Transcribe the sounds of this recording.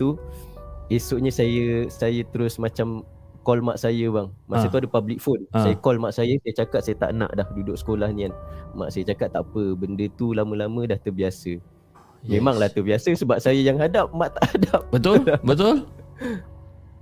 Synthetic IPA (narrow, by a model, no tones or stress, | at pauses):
t̪u | isuʔɲəsajəsajət̪əɾʊsmat͡ʃam | kɔlmaʔsajəbaŋmaʔsat̪uadəpablɪk̚fonsajəkɔlmaʔsajəsajət͡ʃakat̪̚sajət̪a̰ʔna̰ʔdahdudʊk̚sə̥kolahnĩanma̰ʔsajət͡ʃakat̪ːaʔpəbəndət̪ulamə̃lamə̃daht̪əbiasə | memaŋlaht̪əbiasəsəbap̚sajəjaŋɦadap̚maʔt̪aʔhadap̚bət̪ʊabət̪ʊl